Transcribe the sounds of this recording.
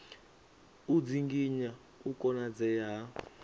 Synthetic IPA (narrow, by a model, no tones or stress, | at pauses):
ud͡ziŋɡiɲa | ukʼɔnad͡zɛja